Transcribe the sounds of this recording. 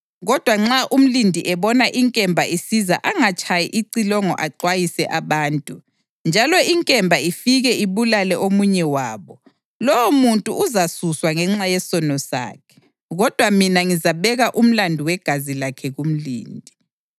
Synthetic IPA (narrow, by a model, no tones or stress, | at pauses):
ɣɔd̥ʱwaŋ͡ǁaʔum̩lindʱiʔɛβɔnaʔiŋkʼɛmbʱaisizaʔaŋat͡ʃʼʰajiʔiǀilɔŋɔ̰ʔaǀwajisɛʔaβaːntʼu | nd͡ʒʱalɔiŋkʼɛmbʱaifiɣɛiβulalɛʔomuɲɛwaːβɔ | lɔwomuntʼuːzasuswaŋɛŋ͡ǁajɛsɔnɔsa̰ːkʰɛ̥ | ɣɔd̥ʱwaminaŋizaβɛɣaʔum̩landʱuwɛɡ̥ʱazilakʰɛɣum̩lḭːndʱi